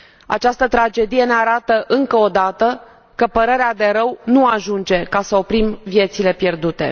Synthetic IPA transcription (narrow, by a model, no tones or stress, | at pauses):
a̰t͡ʃast̪ət̪ɾad͡ʒe̞d̪ije̞ne̞aɾat̪əʔɨŋkəod̪at̪ə | kəpəɾeɾead̪e̞ɾəwnuaʒund͡ʒe̞kasəo̞pɾimvije̞t̪sile̞pje̞rd̪ut̪e̞̰